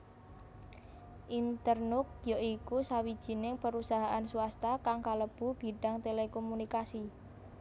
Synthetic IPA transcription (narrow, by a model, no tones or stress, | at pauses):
ʔint̪ərnʊk̚joikusawid̥ʒ̥i̤nɪŋpəɾusaɦaʔansuwast̪akaŋkaləb̥ṳb̥i̤ɖ̥a̤ŋt̪elekomunikasi